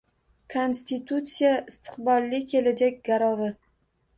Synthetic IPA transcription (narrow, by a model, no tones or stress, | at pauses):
kʰonst̪it̪ʰut̪sijaɪst̪ʰɨ̥qbɒlˠːɪkʲʰe̞lad͡ʒakʲɡaɾɒvɪ